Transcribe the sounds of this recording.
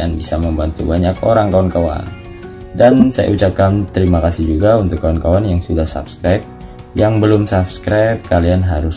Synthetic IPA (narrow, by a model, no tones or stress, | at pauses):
anbisaməmbant̪ṵbaɲakoɾaŋkawankawa̰n | dansa̰jʔa̰ut͡ʃap̚kant̪əɾimakasɪhd͡ʒuɡaunt̪ʊkːawankawanjaŋsudahsa̰pskɾajp̚ | jaŋbəlʊmsapskɾap̚kalianɦaɾʊs